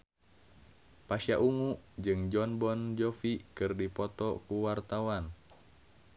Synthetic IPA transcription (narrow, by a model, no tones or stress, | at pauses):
paʃiaʔuŋud͡ʒɨŋd͡ʒɔnbɔnd͡ʒɔfikɨrdipɔt̪ɔkuwart̪awan